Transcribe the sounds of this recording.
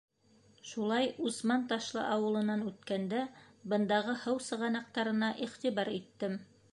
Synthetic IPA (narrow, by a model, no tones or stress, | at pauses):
ʃulˠɑjusmɑnt̪ɑʃlˠɤ̰ʔɑwɤ̆lˠɤ̆nɑnʉt̪kænd̪æbɤ̆nd̪ɑʁɤhɤwsɤ̆ʁɑnɑq̚t̪ɑɾɤ̆nɑʔiχt̪iβɑɾit̪ːɘm